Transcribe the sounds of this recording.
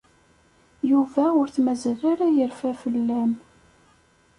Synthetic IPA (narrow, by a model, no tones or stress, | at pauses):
juvæʊɾθmæzəlaɾajəɾfæfəlːæm